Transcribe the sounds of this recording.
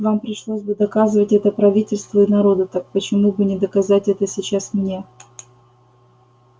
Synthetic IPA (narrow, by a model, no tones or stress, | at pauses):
vampɾʲɪʂlˠosʲbɨd̪ɐkazɨvətʲɛt̪əpɾɐvʲitʲɪlʲst̪vəɪnɐɾo̞d̪ət̪ak̚pət͡ɕɪmubɨnʲɪd̪əkɐzatʲɛt̪əsʲɪt͡ɕasmnʲe